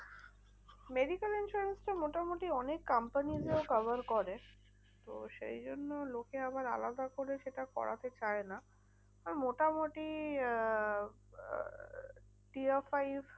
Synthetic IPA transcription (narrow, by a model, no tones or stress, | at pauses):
meɖikelinʃuɾensʈamoʈamoʈiɔnekːampanizeokabaɾkoɾe | t̪o̰ʃḛjd͡ʑonːolokeabaɾa̰lad̪akoɾeʃeʈakɔ̰ɽʔa̰t̪et͡ɕaena | aɾmoʈamoʈi | ʈiafajb